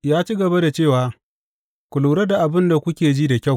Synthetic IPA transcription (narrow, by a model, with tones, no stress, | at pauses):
jaː˦t͡ʃiː˦ɡɐ˨ba˦da˨t͡ʃeː˦˨waː˦ | kʷʊ˨lu˨ɾɐ˦da˨ʔa˨bɪ˦nda˨kʷʊ˦kʲeː˨d͡ʒiː˦da˨kʲa˦˨w